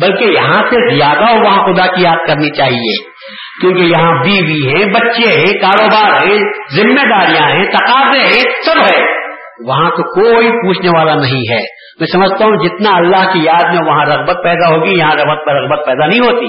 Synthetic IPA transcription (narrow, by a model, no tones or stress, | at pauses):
bɐlkejɐɦãsezijaːd̪aɔːɾʋɐɦãxʊd̪akijaːd̪̚kɐɾnit͡ʃaːɦiḛː | kjõːkejɐɦãbiːʋiɦɛ̃bɐtːʃeɦɛ̃kaːɾoːbaːɾɦɛ̃zɪmːed̪aːɾijãɦɛ̃t̪ɐqaːzeɦɛ̃sɐɾɦɛ̃ | ʋɐɦãt̪okoːipuːt͡ʃʰneʋaːlanɐɦĩɦɛː | mɛ̃ːsɐməd͡ʒʱt̪aɦũd͡ʒɪt̪naɐlːaɦkijaːd̪mẽʋɐɦãɾɐɣbət̪̚pɛːd̪aɦoːɡijɐɦãɾɐbət̪̚peɾɐɣbət̪̚pɛːd̪anɐɦĩɦoːt̪iː